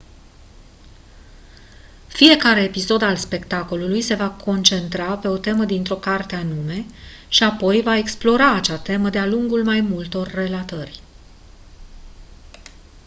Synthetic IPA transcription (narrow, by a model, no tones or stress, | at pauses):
fije̞kaɾe̞ːpiso̞d̪alspe̞kt̪ako̞lulujse̞vakʰo̞nt͡ʃe̞nt̪ɾape̞o̞t̪e̞məd̪int̪ɾo̞kart̪eanume̞ | ʃiapo̞jvae̞ksplo̞ɾaːt͡ʃat̪e̞məd̪ealuŋɡulmajmult̪o̞rːe̞lat̪ərʲ